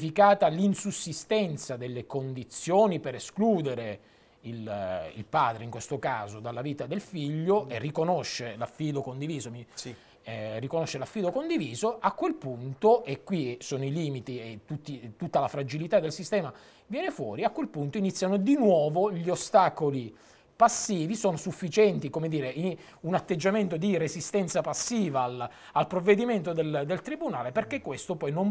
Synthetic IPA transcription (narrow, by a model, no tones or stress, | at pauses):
fikaːt̪alinsusːist̪ɛnt̪sad̪elːekond̪it̪sːjoːnipeɾeskluːd̪eɾe | ilḭlpaːd̪ɾeiŋkwest̪okaːzod̪alːaviːt̪ad̪elfiʎːoʔerːikonoʃːelafːiːd̪okond̪iviːzomi | rːikonoʃːelafːiːd̪okond̪iviːzoʔakːwelpunt̪oʔekːwisoːnoiliːmit̪iet̪ut̪ːit̪ut̪ːalafɾad͡ʒilit̪ad̪elsist̪ɛːma | vjɛːnefwɔːɾiakːwelpunt̪oinit̪sːjanod̪inwɔːvoʎiost̪aːkoli | pasːiːvisoːnosufːit͡ʃɛnt̪ikomed̪iːɾei | unat̪ːed͡ʒːament̪od̪irezist̪ɛnt̪sapasːiːval | alpɾovːed̪iment̪od̪eld̪elt̪ɾibunaːleperkekːwest̪opɔjnom